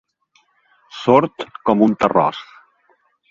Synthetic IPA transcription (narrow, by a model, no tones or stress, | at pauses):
soɾt̪kɔmunt̪ərɔ̰s